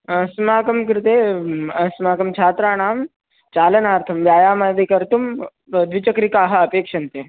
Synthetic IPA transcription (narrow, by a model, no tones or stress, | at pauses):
smaːkɐmkɾɪt̪eːsmaːkɐmt͡ʃʰaːt̪ɾaːɽ̃aːm | t͡ʃaːlɐnaːɾt̪ʰɐmʋjaːjaːmajʋikɐɾt̪um | d̪ʋit͡ʃɐkɾikaːɦɐɐpeːkʂɐnt̪eː